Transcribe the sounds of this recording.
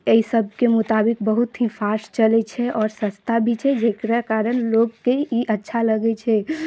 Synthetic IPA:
eisəb̚ʱkemut̪abikbəɦut̪ɦĩfaɾst͡ʃəlɛt͡ʃʰɛʔɔːɾsə̃st̪ʰabʱit͡ʃʰɛd͡ʒekɾakaɾənlokkːeiʔətːʃʰaləɡɛt͡ʃʰɛ

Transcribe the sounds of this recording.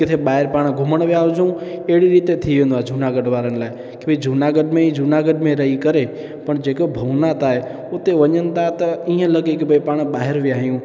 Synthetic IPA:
kɪt̪ʰeɓaːɦɪɾpaːɽ̃ɡʱʊməɽ̃ʋjaːd͡ʒũeːɽiɾiːt̪et̪ʰiʋẽːnd̪ad͡ʒʱunaɡəɖʋaːɾənlaːe | kɪbid͡ʒʱunaɡəɖmẽĩd͡ʒʱunaɡəɖmẽɾəɦikəɾe | pəɳd͡ʒekobʱəʋnat̪aːɦe | ʊt̪eʋəɲənɪ̆t̪at̪ɐiɦə̃ləɡekɪbəipaːɽ̃ɓaːɦɪɾʋiaːɦjũ

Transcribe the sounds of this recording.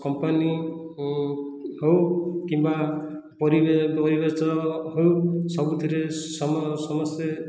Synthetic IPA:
kɔmpani | howkimba | pɔɾibepɔɾibetɔɦowsɔbut̪ʰiɾesɔmsɔmɔse

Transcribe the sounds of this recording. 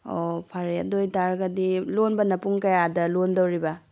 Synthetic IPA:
opʰaɾea̰dojtaɾɡɐdilonbɐnɐpuŋkɐjadɐlondowɾibɐ

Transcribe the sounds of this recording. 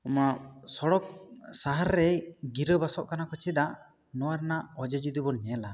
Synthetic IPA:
ɔmasɔɽɔk̚saɦaɾːɛjɡiɾəbasɔʔkanakɔt͡ʃid̪a | nɔwaɾnaʔɔd͡ʒɛd͡ʒud̪ibɔnɲɛla

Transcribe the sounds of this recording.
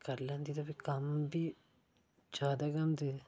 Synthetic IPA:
kəɾlə̃ːnd̪iːt̪abiːkəmbiː | d͡ʒjaːd̪aːkəmt̪eː

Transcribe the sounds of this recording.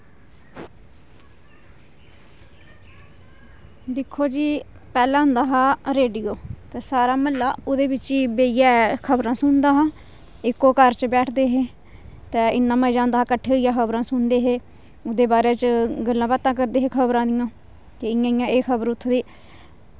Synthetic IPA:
d̪ɪkʰːoːd͡ʒiː | pɛːlãːɦʊ̃nd̪aːɦaːɾeːɖijoːt̪eːsaːɾaːməlːaːʊd̪eːbɪt͡ʃiːbeːijaːkʰəbɾãːsʊnd̪aːɦãː | ɪkːoːkəɾt͡ʃbɛːʈʰd̪eːɦeː | t̪ɛ̃ːɪnːãːmɛ̃ːd͡ʒãːnd̪aːkəʈʰːeːoːijãːkʰəbɾãːsʊnd̪eːɦeː | ʊd̪eːbaːɾeːt͡ʃɡəlːãːpət̪ãːkəɾd̪eːɦeːkʰəbɾãːd̪ɪjãː | kɪɪjãːjãːeːkʰəbəɾʊt̪ʰːd̪iː

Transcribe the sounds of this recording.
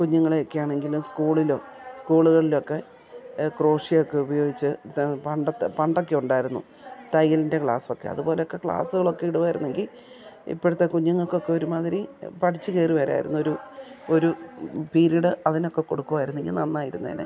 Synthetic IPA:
kuɲːuŋːɐɭeokːejaːɳe̞ŋɡilumskuːɭilo̞̰ːskuːɭuɣɐɭilo̞kːe̞ | kro̞ːʂiokːe̞ubɐjo̞ːɡit͡ɕːɨpɐɳɖɐpɐɳɖo̞kːe̞uɳɖaːjiɾunːṵ | t̪ɐjɐlinde̞kɭa̰ːso̞kːe̞̰ɐ̰ðupo̞ːle̞okːe̞kɭa̰ːsuɣɐɭokːe̞iɽuʋaːjiɾunːe̞ŋɡil | ḭpːoɽut̪ːekuɲːuŋːɐɭkːeokːe̞o̞ɾumaːðiɾipɐʈʰit͡ɕːɨkeːriʋɐɾa̰ːjiɾunːuoɾuoɾupiːɾiɽɨɐðino̞kːe̞kːo̞ɽukːuʋaːjiɾunːe̞ŋɡilnɐnːaːjiɾunːɐðḭnḛ

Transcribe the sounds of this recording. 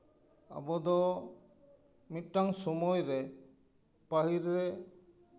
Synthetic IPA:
a̰bɔd̪ɔ | mit̪̚ˀʈaŋsɔmɔjɾɛ | paɦiɾːɛ

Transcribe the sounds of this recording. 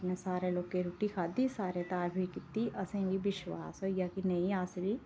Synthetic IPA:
pnẽsaːɾeloːɡ̚keɾuːʈikʰaːd̪isaːɾet̪aːɾbʱikit̪iʔɐsẽʋibɪʃʋa̰ːsɦojakinɐiaːsʋi

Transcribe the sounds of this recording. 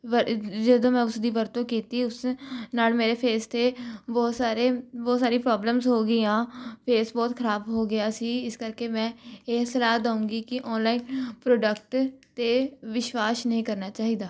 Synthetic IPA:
ʋəd͡ʒəd̪õːmɛ̃ːʊsd̪iːʋəɾt̪õːkiːt̪iːʊsnaːlmeːɾeːpʰeːst̪eːbɔːt̪saːɾeːbɔːt̪saːɾĩːpɾɔːbləmzɦoːɡiːãːpʰeːsbɔːt̪kʰəɾaːbɦoːɡɪaːsiːɪskəɾkeːmɛ̃ːeːsəlaːd̪aːũːɡiːkɪʔɔːnlaːiːnpɾoːɖəkʈt̪eːʋɪʃwaːsnəɦĩːkəɾnaːt͡ʃaːɦiːd̪aː

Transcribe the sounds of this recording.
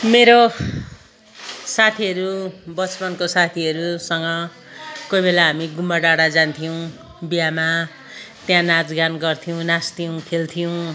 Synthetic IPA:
meɾo | sat̪ʰiʌɾubʌt͡spʌnkosat̪ʰiʌɾusʌŋɡʌ | kojbelaɦamiɡumbaɖaɽad͡zant̪ʰijow̃ | bijama | t̪jãnad͡zɡanɡʌrt̪ʰijõw̃nast̪ʰijow̃kʰelt̪ʰijow̃

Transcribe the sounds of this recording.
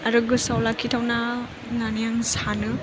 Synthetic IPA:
aɾɯɡɯsawlakʰitʰawna | nanijaŋsanɯ

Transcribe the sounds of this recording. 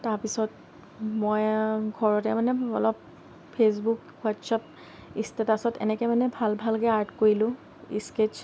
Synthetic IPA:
taɹpisɔt | mojɡʱɔɹɔtɛmanɛɔlɔp | pʰːes̬buk | watsap̚ | istetasɔtɛ̰nɛkɛmanɛbʱalbʱalkɛaɹdkoɹilʊ̃ | ḭsket͡ʃ

